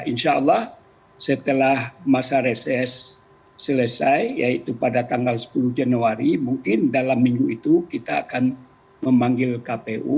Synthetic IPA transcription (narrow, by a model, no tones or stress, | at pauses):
ʔinʃaəlːɑh | sət̪əlahmasaɾesɛsː | ələsajjait̪upadat̪aŋɡalsə̥puluhd͡ʒanuaɾimuŋkɪndalamːiŋɡuit̪ukit̪aːkan | məmaŋɡɪlkapeʔṵ